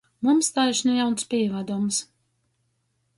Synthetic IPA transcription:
mumst̪aːjʃnujawnspʲivad̪ums

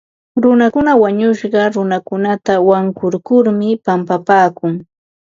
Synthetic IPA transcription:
ɾʊnakʊnawaɲʊʃɢɑɾʊnakʊnat̪awaŋkʊɾkʊɾmɪpampapaːkʊŋ

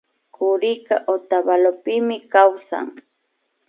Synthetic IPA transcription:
kʊɾɪka̰ʔot̪abalopɪmɪkawsa̰ŋ

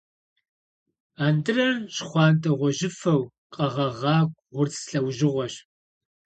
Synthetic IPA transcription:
aːndɨrɐrɕχʷɑːntʰʼɐʁʷɔʒɪfɐw | qʼɐʁɐʁɑːkʷʼʁʷʊrt͡ssɬɐwʒɪʁʷɔɕ

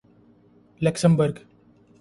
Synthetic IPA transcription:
ləksəmbəɾɡ

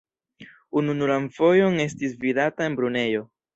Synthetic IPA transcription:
ununulanfo̞jo̞ŋe̞stisvidatae̞nbɾune̞jo̞

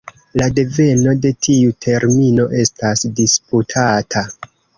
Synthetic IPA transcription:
lade̞ve̞no̞de̞tʰiutʰe̞ɾmino̞ʔe̞stasdisputʰatʰa

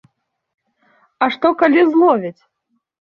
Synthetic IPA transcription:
aʂt̪ɔkalʲizlˠɔvʲit͡sʲ

